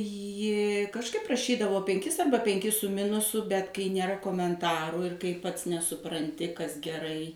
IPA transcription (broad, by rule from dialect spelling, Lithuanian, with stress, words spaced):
ˈjɪ kɐʃˈkɐɪp rɐˈʃʲiːdɐʋoː pʲɛŋʲˈkʲɪs ˈɐrbɐ pʲɛŋʲˈkʲɪs sʊ ˈmʲɪnʊsʊ bʲɛt kɐɪ nʲeːˈrɐ koːmʲɛnˈtɑːrʊ ɪr kɐɪ pɐts nʲɛsʊprɐnʲˈtʲɪ kɐs ɡʲɛˈrɐɪ